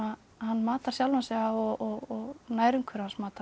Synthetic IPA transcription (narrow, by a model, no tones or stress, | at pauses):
a | hanːmaːt̪aɾ̥sjawlvansɛːɣaɔɣɔɣɔɣnaːjɾʏŋkʰvʏɾansmaːt̪a